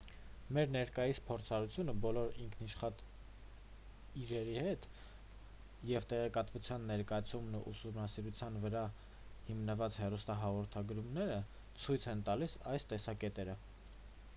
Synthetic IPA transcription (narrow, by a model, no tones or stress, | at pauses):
mɛɾnɛɾkɑjispʰɔɾt͡sʰɑɾut͡sʰjunəbɔlɔɾiŋkʰniʃχɑt̪ | iɾɛɾihɛt̪ | jɛvt̪ɛʁɛkɑt̪vut͡sʰjɑnːɛɾkɑjɑt͡sʰumnṵʔusumnɑsiɾut͡sʰjɑnvəɾɑ | himnəvɑt͡shɛrust̪ɑɦɑʁɔɾt̪ʰɑɡɾumnɛɾə | t͡sʰujt͡sʰɛnt̪ɑlisɑjst̪ɛsɑkɛt̪ɛɾə